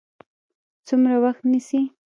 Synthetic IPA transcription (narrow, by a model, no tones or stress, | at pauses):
t͡sʊmɾawaxt̪nɪsi